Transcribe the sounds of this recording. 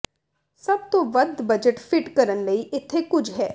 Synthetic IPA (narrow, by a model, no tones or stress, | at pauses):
sɐb̚t̪õʋəd̪bəd͡ʒəʈpʰɪʈkəɾənləiʔɪt̪ʰːekʊd͡ʒɦɛː